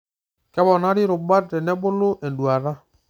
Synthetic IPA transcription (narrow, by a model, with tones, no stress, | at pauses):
kɛ˦βɔ˨na˦ɾi˦ɾo˨ba˦tɛ˨nɛ˦βo˦lo˦ʔɛ˨ndwa˨ða˦